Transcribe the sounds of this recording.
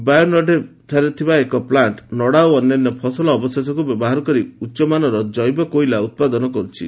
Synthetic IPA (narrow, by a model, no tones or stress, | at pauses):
bajɔnɔʈet̪ʰaɾɔt̪ʰibaekɔplaɳʈnɔɽaoɔnːanːɔpʰɔsɔlɔːbɔst̪ʰet̪ɔkubjɔbɔɦaɾɔkɔɾiutːʃɔmanɔɾɔd͡ʒɔjbɔkoilaut̪̚pad̪ɔnɔkɔɾut͡ʃʰḭ